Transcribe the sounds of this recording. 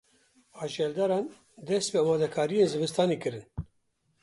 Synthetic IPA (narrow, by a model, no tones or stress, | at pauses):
ɑːʒɛld̪ɑɾɑːn | d̪ɛst̪̚peaːmaːd̪ɛkʰaːɾijeːnzɨvɨst̪ɑːnekɨɾɨn